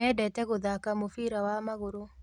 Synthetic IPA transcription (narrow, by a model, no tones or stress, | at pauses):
ɛdɛtɛɣoðakamofiɾawamaɣoɾo